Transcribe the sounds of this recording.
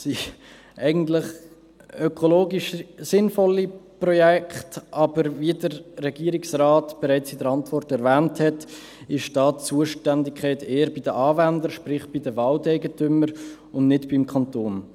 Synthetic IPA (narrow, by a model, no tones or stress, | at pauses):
si | ʔɛɪɡən̩tlɪχ | œkʰoloːɡiʃsɪnfɔliprɔjɛkχtʔɑbəɾviədəɾːɛɡiəɾɪksraːtb̥ɛɾɛɪt͡sɪdəɾɑntvɔrtɛɾvæːnthɛt | ɪʃd̥ɑːt͡suəʃtændɪkʰɛɪteːəɾbidəʔɑːvændəɾʃpɾɪχb̥idəvɑːltɛɪɡətʏməɾ | ʊnnɪtb̥ɪmkʰɑntoːn